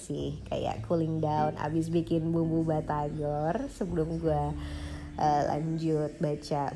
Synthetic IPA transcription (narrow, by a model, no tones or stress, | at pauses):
sɪhka̰ja̰ʔkulɪŋdauna̰bɪs̬bikɪnbumbubat̪aɡɔrsəbəlʊmɡua | ʔəla̰ɲd͡ʒʊt̪̚bat͡ʃa